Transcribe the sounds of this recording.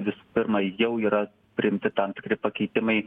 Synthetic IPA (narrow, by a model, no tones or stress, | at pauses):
ʋʲɪsu̥pʲɪɾmɐjɛʊiːɾɐ | pʲɾʲɪɪmʲt̪ʲɪt̪ɐmt̪ʲɪ̥kɾʲɪpɐkʲɛɪt̪ʲɪmɐɪ